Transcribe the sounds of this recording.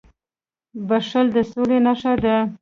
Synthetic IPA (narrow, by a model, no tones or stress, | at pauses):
baʂəld̪əsolenaʃad̪ə